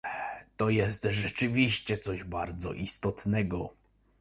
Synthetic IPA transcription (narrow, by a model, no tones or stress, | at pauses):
t̪ɔjɛst̪ʐɛt͡ʂɘvʲiɕt͡ɕɛt̪sɔʑbaɾd̪zɔ̰ʔist̪ɔt̪nɛɡɔ